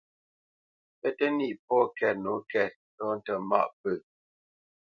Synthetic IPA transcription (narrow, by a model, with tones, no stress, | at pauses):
pɛ˦tɛ˦ni˦˨pɔ˦˨kɛ˦˨t̚no˨˦kɛ˦˨t̚ | tɔ˦n̩˦˨tə˨ma̰˦˨ʔpə˦˨